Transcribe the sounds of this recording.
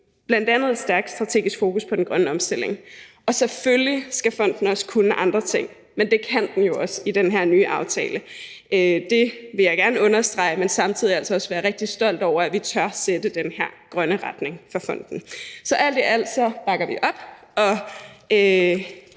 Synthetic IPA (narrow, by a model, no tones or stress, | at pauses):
b̥lænd̥ænð̩ˠed̥sd̥æɐɡ̥̚d̥sd̥ʁɑ̈t͡sʰe̝̰ːɡisɡ̥fo̝ːkuspʰɒ̽den̩ɡ̥ʁɶnəɒ̽msd̥el̰e̝ŋʔɒ̽seføljisɡ̥æfɒ̽n̰d̥n̩ɒ̽skʰunəʔɑ̈nd̥ʁɐt͡sʰe̝ŋ̰ | mend̥e̝kʰænd̥n̩jo̝ɒ̽sid̥enɦæɐ̰nyːʔɑ̈ʊt͡sʰɛ̰ːlə | ød̥e̝ʋe̝jɑ̈ɪɡ̥æɐnəɔ̽nɐsd̥ʁɑ̈ɪmensɑ̈mt͡sʰiðˠiælsɒɒ̽sʋæːɐʁeɡ̥̚d̥isd̥ɒ̽l̰d̥ɒʊ̰ɐæʋit͡sʰɶɐsed̥əd̥enhæɐ̰ɡ̥ʁɶnəʁɑd̥ne̝ŋfɒfɒ̽n̰d̥n̩sɒ̽ʔæl̰d̥eʔæl̰d̥sɒ̽b̥ɑ̈ɡ̥ɐʋiʔɒ̽b̥ | ɒ̽ø